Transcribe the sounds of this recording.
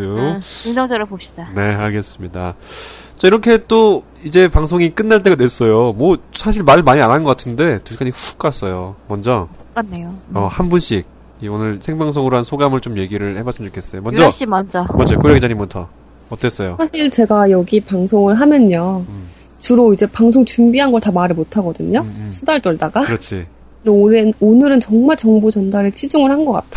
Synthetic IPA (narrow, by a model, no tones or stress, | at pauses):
ounʌŋd͡ʑʌɾɯbopɕ͈i̥d̥ane̞aɭɡe̞s͈ɯmɲida | t͡ɕ͈aiɾʌkʰe̞t͈o | id͡ʑe̞paŋsʰoŋik͈ɯnːaɭt͈e̞ɡadwe̞s͈ʌjomwʌsʰaɕʰiɭmaɭmaɲiananɡʌk͈atʰɯnde̞tɯk͈ʰaɲiɸu̥k͈as͈ʌjomʌnd͡ʑʌuk͈anːejoʌhanbunɕʰik̚ | ionɯɭsʰe̞ŋbaŋsʰoŋɯɾoɦansʰoɡamɯɭt͡ɕomje̞ɡiɾɯɭhe̞bas͈ʰɯmt͡ɕokʰe̞s͈ʌjomʌnd͡ʑʌɕʰimand͡ʑamad͡ʑoo̰koɾjaɡid͡ʑaɲimɯntʰʌ̰ | ʌt͈es͈ʌjosʰaɕʰiɭt͡ɕe̞ɡajʌɡipaŋsʰoŋɯɭɦamjʌnɲʌ | t͡ɕuɾoid͡ʑe̞paŋsʰoŋt͡ɕumbiɦanɡʌɭtamaɾɯɭmotʰaɡʌdɯɲosʰudaɭt͈ʌɭdaɡaɯɾʌt͡ɕʰi | neonɯnonɯɾɯnt͡ɕʌŋmaɭt͡ɕʌŋbod͡ʑʌndaɾet͡ɕʰid͡ʑuŋɯɭhanɡʌk͈a̰tʰa